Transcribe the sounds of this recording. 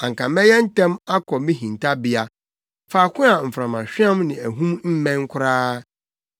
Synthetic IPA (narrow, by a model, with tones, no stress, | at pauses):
ã˨ŋkʰã˨mɛ˦jɛ˦n̩˦tʰɛ̃˦ma˦kʰɔ˨mĩ˦ɦĩ˨ntʰa˦bɪ˦a˦ | faː˨kʰʊ̃˦a˨m̩˨fɾã˨mã˨ɕᶣi˦ã˦mnɪ̃˨æ˨ɦũ˦mm̩˦mɛ̃˦ŋ˦kʷʰʊ˦ɾaː˦